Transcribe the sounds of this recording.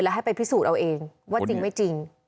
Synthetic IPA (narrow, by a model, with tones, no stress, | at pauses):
lɛ˦ɦa˥˩jpa˧jpʰi˦˥suː˨˩t̪̚ʔa˧wʔeː˧ŋwaː˥˩t͡ɕi˧ŋma˥˩jt͡ɕi˧ŋ